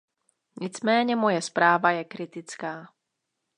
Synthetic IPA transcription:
ɲɪt͡smɛːɲɛmo̞jɛspɾaːvajɛkɾɪt̪ɪt͡skaː

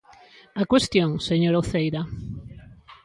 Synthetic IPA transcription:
akwest̪joŋseɲoɾoθejɾa

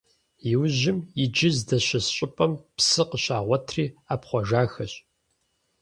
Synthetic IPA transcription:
jɪwʑɪmjɪd͡ʒɪzdɐɕɐsɕʼɪpʼɐmpsɨqəɕaːʁʷɔtʰriːaːpχʷɔʒaːxɐɕʼ

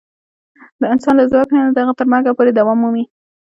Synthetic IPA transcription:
d̪əɪnsɑnlazwɑknad̪aɣat̪əɾmɑɡapoɾed̪awɑmːumi

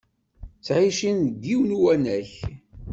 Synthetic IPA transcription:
t͡sːʕiʃinɡ̪iwnuwænæç

